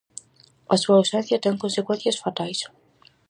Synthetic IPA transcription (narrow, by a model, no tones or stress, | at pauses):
asuawsẽn̟θjɐt̪eŋkõnsekwẽn̟θjɐsfat̪ajs